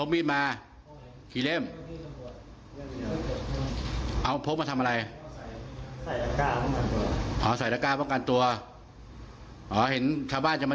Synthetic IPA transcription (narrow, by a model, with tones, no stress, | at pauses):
o˧˥miː˦˥˩t̪̚maː˧ | kʰiː˧le˥˩m | ʔa˧˩˧pʰo˦˥p̚maː˧t̪ʰa˧ma˧ɾa˧j | a˧kaː˧˩ɔ˥˨ŋka˧nt̪u˧ɐʔɔː˨˦sa˨˩˦jɾaː˧˩kaː˧˩pɔː˥˩ŋka˧nt̪u˧ɐ | ʔɔː˨˦he˩˦nt͡ɕʰaː˧wbaː˥˨nt͡ɕa˧˩maː˧